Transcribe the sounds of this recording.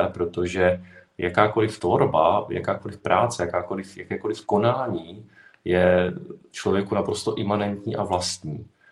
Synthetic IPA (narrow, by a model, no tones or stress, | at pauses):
ɛpɾo̞t̪o̞ʒɛjʔakaːko̞lɪft̪vo̞ɾbaja̰kaːko̞lɪfpɾʔaːt͡sɛjakaːko̞lɪfjakɛːko̞lɪfko̞naːɲiː | jɛft͡ʃlo̞vjɛkunapɾo̞st̪o̞ʔɪmanɛnt̪ɲiːʔavlast̪ɲiː